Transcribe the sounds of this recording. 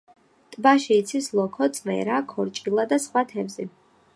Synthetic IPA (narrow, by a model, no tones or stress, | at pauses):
t̪ʼbaʃiːt̪sʰislˠɔkʰɔt̪sʼvɛ̰ɾakʰɔɾt͡ʃʼilˠad̪asχwat̪ʰɛvzi